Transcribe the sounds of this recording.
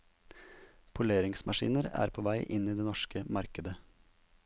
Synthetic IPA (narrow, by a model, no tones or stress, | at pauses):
pʰʊleːɾɪŋsmɑʃḭːnəɾæ̰ːɾpʰoːʋæɪʔɪniːd̪eːnɔʃkəmɑɾkəd̪ə